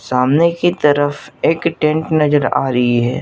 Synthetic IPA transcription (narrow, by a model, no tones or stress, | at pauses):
saːmnekit̪ɐɾəfeːkʈẽɳʈnɐd͡ʒəɾa̰ːɾɐɦiɦɛː